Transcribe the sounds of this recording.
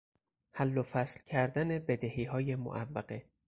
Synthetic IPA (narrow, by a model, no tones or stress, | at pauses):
hælːofæslcʲʰæɾd̪æne̞bed̪ehiːɦɒːjemo̰ʔævːæɢe